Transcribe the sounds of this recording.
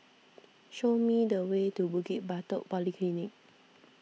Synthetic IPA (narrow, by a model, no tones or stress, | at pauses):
ʃomidəwetubuɡit̚bat̪ɔʔpɔlikʰlinɪk̚